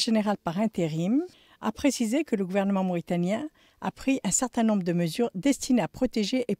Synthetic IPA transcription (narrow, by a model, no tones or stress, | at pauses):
ʒeneʁalpaʁɛ̃t̪eʁim | a̰pχesizekələɡuvɛʁnəmɑ̃mɔʁit̪anjɛ̃ | a̰pχiʔɛ̃sɛʁt̪ɛ̃nɔ̃bʁəd̪əməzyʁd̪ɛst̪ineapχɔt̪eʒeʔe